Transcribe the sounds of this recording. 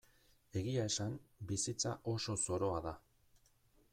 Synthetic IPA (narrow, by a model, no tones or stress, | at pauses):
e̞ɣiae̞sambisit͡saʔo̞so̞so̞ɾo̞aða